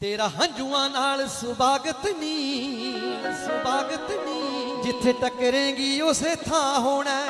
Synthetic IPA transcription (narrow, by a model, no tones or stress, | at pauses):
t̪eːɾaːɦə̃ɲd͡ʒuːãːnaːlsʊbaːɡət̪niː | sʊbaːɡət̪niːd͡ʒɪt̪ʰːeːʈəkːəɾẽːɡiːʊseːt̪ʰãːɦoːɽ̃ɛː